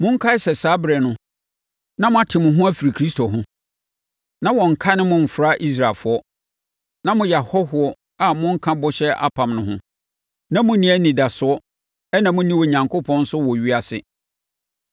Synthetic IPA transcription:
mʊ̃˦ŋ̩˦kʰa˦sɛ˨saː˦bɾɛ˨nʊ̃˦ | nã˦mʊ̃˦a˨tʰɪ˨mʊ̃˨ɦʊ̃˦æ˦fi˨ɾi˨kʰɾi˦stʰo˨ɦʊ̃˦ | nã˦wɔ̃˨ŋ̩˨kʰa˦nɪ̃˦mʊ̃˦m̩˨fɾa˦ʔi˦s̬ɾa˨lfʊ˨˦ɔ˦ | nã˦mʊ̃˦ja˨hɔ˦hʊ˨ɔ˦ | a˨mʊ̃˦ŋ̩˦kʰã˦bɔ˦ɕɛ˦ʔa̰˦pʰã˨mnʊ̃˦ɦʊ̃˦ | nã˦mʊ̃˦nĩ˦æ˦nĩ˨da˨sʊ˦ɔ˦ | ɛ˦nã˨mʊ̃˦nĩ˦wɔ˨ɲã˨ŋko˦pʰɔ̃˦n̩˦sʊ˦wɔ˨ɥi˦a˨sɪ̰˦

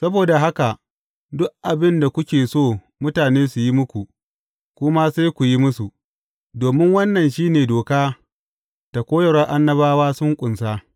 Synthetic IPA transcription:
sɐ˦boː˨da˨ɦa˦ka˨ | dʊ˦ʔʔa˨bɪ˦nda˨kʷʊ˦kʲeː˨soː˦˨ | mʊ˦taː˨neː˦su˨ji˦mʊ˦kʷu˨ | kʷʊ˦ma˦seː˦jkʷu˨ji˦mʊ˦su˨ | doː˨mɪ˦ŋwɐ˦nːɐ˨nʃiː˦neː˨doː˨kaː˦ | ta˨kʷoː˦jɐ˨ɽɐ˦ʔa˦nːɐ˦baː˦waː˦sʊ˦ŋkʷʼʊ˨nsaː˦

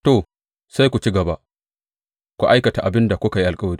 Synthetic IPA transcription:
to˦˨ | sa˦jkʷu˨t͡ʃi˦ɡɐ˨ba˦ | kʷu˨ʔa˦jkɐ˨ta˨ʔa˨bɪ˦nda˨kʷʊ˦ka˨ji˦ʔa˨lkʼɐ˦wɐ˨ɾiː˦

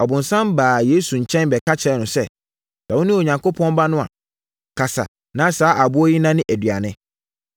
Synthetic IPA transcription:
ɔ˨bʊ̃˨n˨sã˦mbaː˨jeː˨˦su˨ɲ̩˨t͡ɕʰɛ̃˦nbɛ˨ka˦t͡ɕʰɛ˨˦nʊ̃˨sɛ˦˨ | sa˨wʊ̃˦nɪ̃˦o˨ɲã˨ŋko˦pʰɔ̃˦n˦ba˦nʊ̃˦a̰˨ | kʰa˨sa̰˨ | nã˨˦saː˨˦ʔa˨bʊ˦ɔ˦ji˦nã˦nɪ̃˦ʔæ˨dɥa˨nɪ̃˦

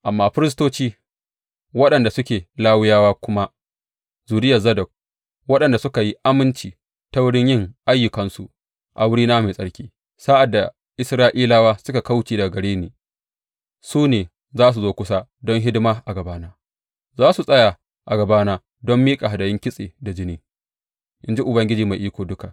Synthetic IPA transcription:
ʔa˨mːaː˦ɸɪ˦ɾɪ˦s̬toː˦t͡ʃiː˦ | wɐ˦ɗɐ˨nda˨sʊ˦kʲeː˨laː˦wɪ˦jaː˦waː˦kʷʊ˦ma˦ | zuː˨dɪ˦jɐ˨zɐ˦dɐ˨k̚ | wɐ˦ɗɐ˨nda˨sʊ˦ka˨ji˦ʔa˦mɪ˦nt͡ʃiː˨ | ta˦wʊ˦ɽɪ˦ɲjɪ˦˨ŋʔa˦jːʊ˨kɐ˨nsu˨ | ʔa̰˨wʊ˦ɽiː˦naː˦ma˨sʼɐ˦ɽkʲiː˦ | saː˦ʔa˨dːa˨ | ʔɪ˦sɾaː˦ʔiː˦laː˦waː˦sʊ˦ka˨ka˦wt͡ʃeː˨da˨ɡɐ˨ɽeː˦neː˨ | suː˦neː˨ | zaː˦s̬u˨zoː˦kʷʊ˦sa˦dɔ˦ŋɦɪ˦dɪ˦maː˦ʔa˨ɡɐ˨baː˦naː˦ | zaː˦su˨sʼɐ˦ja˨ | ʔa˨ɡɐ˨baː˦naː˦ | dɔ˦mːiː˦kʼa˨ɦa˨dɐ˨jɪ˦ŋkʲɪ˦sʼḛː˨da˨d͡ʒɪ˦niː˦ | ʔɪ˦nd͡ʒi˦ʔʊ˨bɐ˦ŋɡʲɪ˦d͡ʒiː˨ma˨jʔiː˦kʷoː˨dʊ˦ka˨

